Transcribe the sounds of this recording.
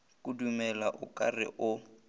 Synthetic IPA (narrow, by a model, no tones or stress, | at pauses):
kʼudumɛlaʔʊkʼarɪ̰ʔʊ